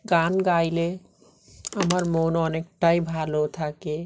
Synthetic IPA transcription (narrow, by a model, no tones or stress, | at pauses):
ɡanɡaile | əməɾmonənek̚ʈaibʱalot̪ʰake